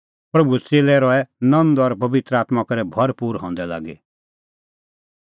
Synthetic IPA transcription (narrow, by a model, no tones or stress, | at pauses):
pɾɐbuselɛɾɔɛnɐ̃nd̪ɔɾpɐʋɪt̪ɾəaːt̪makɐɾɛbʱɐɾpuːɾɦɔ̃nd̪ɛla̰ːɡḛ